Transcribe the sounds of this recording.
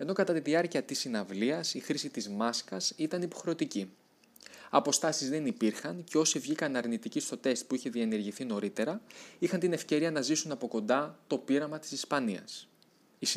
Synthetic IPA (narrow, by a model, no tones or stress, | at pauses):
e̞no̞kɐt̪ɐt̪iðiɐɾciɐt̪isinɐvliɐsixɾisit̪izmɐskɐsit̪ɐnipo̞xɾe̞ot̪ici | ɐpo̞st̪ɐsizðe̞nipiɾxɐnce̞o̞sievʝikɐnɐɾnit̪icist̪o̞t̪e̞st̪̚puiçe̞ðiɐene̞ɾʝiθino̞ɾit̪e̞ɾɐixɐnt̪ine̞fce̞ɾiɐnɐzisunɐpo̞ko̞nd̪ɐt̪o̞piɾɐmɐt̪i̥sispɐniɐ̰s | i